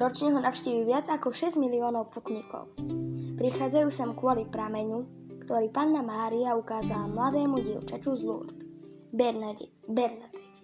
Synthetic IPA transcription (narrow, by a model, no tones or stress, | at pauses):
ɾɔt͡ʃɲɛɦɔnaʊʃciːʋiʋɪad͡zakɔʃɛzɟmiliɔːnɔʊput̪ɲikɔ̰ʊpɾixaːd͡zajuːsɛmkʊɔlipɾamɛɲu | kt̪ɔɾiːpanːamaːɾiaukaːzalamlad̪ɛːmuɟḭʊt͡ʃacuzlṵːt̪ | bɛɾna | bɛɾnad̪ɛc